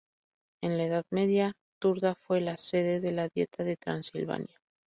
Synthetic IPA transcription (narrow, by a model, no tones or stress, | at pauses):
e̞nlaeð̞aðme̞ðja | t̪uɾðafwe̞lase̞ðe̞ðe̞laðje̞̰t̪aðe̞t̪ɾa̰nsḭlβa̰nja